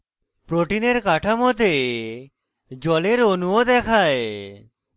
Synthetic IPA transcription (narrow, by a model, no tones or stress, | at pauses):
pɾoʈineɾkaʈʰamot̪̬e | d͡ʑɔleɾonuod̪ɛkʰae